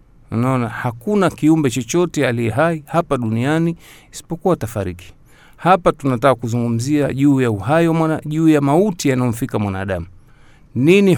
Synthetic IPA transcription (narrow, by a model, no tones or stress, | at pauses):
unaɔnahakunakiumbɛt͡ʃɔt͡ʃɔtɛalijɛɦaihapaɗunianiː | si̥pɔkuwatafaɾiki̥ | hapatunatakakuzuŋɡum̩ziaʄuːjauhajiwamaaʄuːjamautijanaɔm̩fikamwana̰ːɗamu | nini